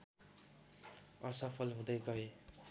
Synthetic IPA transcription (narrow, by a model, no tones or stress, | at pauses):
ʌsʌpʰʌlɦũd̪ʌjɡʌe